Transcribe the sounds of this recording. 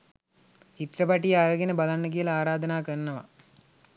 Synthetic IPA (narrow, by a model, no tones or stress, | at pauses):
t͡ʃit̪rəpaʈijaɾəɡenəbalanːək̬ijəlaaːɾaːd̪ɐnaːkərnəʋa̰